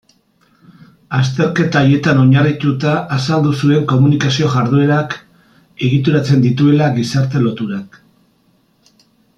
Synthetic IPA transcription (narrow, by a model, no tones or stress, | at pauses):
ast̪e̞ɾke̞t̪aːje̞t̪ano̞ɲarit̪ut̪aʔːsald̪usue̞ŋko̞munikasio̞ʝaɾðue̞ɾak | e̞ɣit̪uɾat͡se̞nd̪it̪ue̞laɣisaɾt̪e̞lo̞t̪uɾak